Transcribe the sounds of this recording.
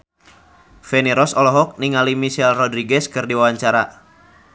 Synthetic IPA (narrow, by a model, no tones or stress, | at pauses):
fɛniɾɔsɔlɔɦɔk̚niŋalimiʃɛlrɔdɾiɡɛskɨrdiwawaɲt͡ʃaɾa